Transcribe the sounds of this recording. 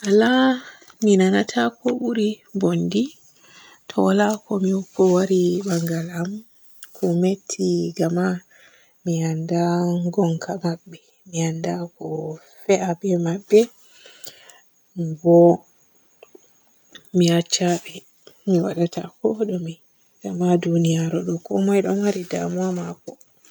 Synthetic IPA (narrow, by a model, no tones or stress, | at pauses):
ʔala | minanatʰakɔɓuɾibondi | tʰɔwalakɔmiukːɔwaɾibaŋɡalam | kʰɔmetʰːiɡama | miandaŋɡɔŋkʰamaɓːɛ | miandakɔ | fɛʔabɛmaɓːɛ | bɔ | miat͡ʃːaɓɛ | miwaɗatʰa̰kɔɗɔmi | ɡamadunijaɾɔɗɔkɔmajɗɔnwaɾida̰muamakɔ